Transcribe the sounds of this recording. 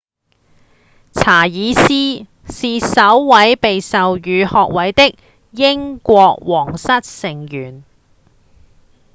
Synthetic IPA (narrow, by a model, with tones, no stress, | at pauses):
t͡sʰaː˨˩jiː˨˧siː˥ | siː˨sɐ˨˥wːɐ˨˥jpe˨jsɐ˨wjyː˨˧hɔː˨˧k̚wɐ˨˥jt̪ɪ˥k̚ | jɪ˥ŋkʷɔː˧k̚wɔː˨˩ŋsɐ˥t̚sɪ˨˩ŋjyː˨˩n